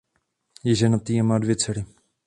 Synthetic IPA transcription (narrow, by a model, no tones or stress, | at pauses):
jɛʒɛnat̪iamaːdvjɛt͡sɛɾɪ